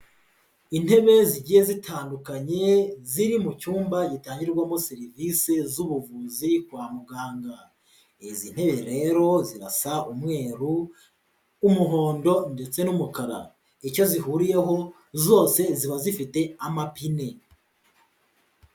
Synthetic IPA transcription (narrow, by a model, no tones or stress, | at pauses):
in̥he̞βe̞ziɟiːje̞zitʰaːndukaɲe̞ziɾimucuːmbajitaːɲɟiɾɾɡwamoseɾivise̞zuβuvuzikwaːmuɡaːŋɡa | ezin̥he̞βe̞ɾe̞ːɾo̞ziɾasaumŋe̞ːɾuː | muɦo̞ːndo̞nde̞t͡se̞numukaɾa̰ | ico̞zihuɾije̞ɦo̞ | zo̞ːse̞ziβazifite̞amapine̞